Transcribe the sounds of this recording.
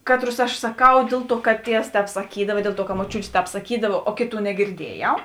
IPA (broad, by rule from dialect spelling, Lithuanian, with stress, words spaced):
ˈkɑːtˌrʊs ɐʃ sɐˈkɐʊ ˈdʲeːlˠ ˌtuɔ kɐt ˈtʲiɛws ˈtʲɛːp sɐˈkʲiːdɐʋɐ ɪ ˈdʲeːlˠ ˌtuɔ kɐ moːˈt͡ʃʲuːtʲeː ˈtʲɛːp sɐˈkʲiːdɐʋɐ oː ˈkʲeːˌtuː nʲɛɡʲɪrʲˈdʲiɛjɛʊ